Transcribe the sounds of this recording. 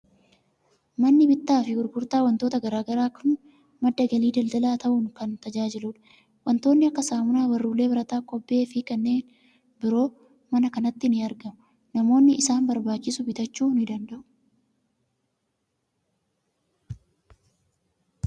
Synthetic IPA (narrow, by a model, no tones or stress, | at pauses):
mɐnːɪbɪt̪ːaːfɪɡʊɾɡʊɾt̪aːwɐnt̪oːt̪ɐɡɐɾaːɡɐɾaːkʰʊn | mɐd̪ːɐɡɐliːd̪ɐld̪ɐlaːt̪ɐʔʊŋkɐnt̪ɐd͡ʒaːd͡ʒɪlʊᶑɐ̥ | wɐnt̪o̞ːnːɪɐkːɐsaːmʊnaːwɐrːuːlːeːbɐɾɐt̪aːkʼɔbːe̞ːfɪkɐnːe̞ːn | bɪɾo̞ː | mɐnɐkɐnɐt̪ːɪnɪɐɾɡɐmʊ | nɐmo̞ːnːɪɪsaːnbɐɾbaːt͡ʃːɪsʊbɪt̪ɐt͡ʃːuːnɪd̪ɐnd̪ɐʔʊ̥